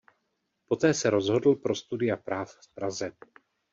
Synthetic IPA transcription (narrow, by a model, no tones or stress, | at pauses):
po̞t̪ɛːsɛɾo̞zɦo̞dl̩pɾo̞st̪udɪapɾaːffpɾazɛ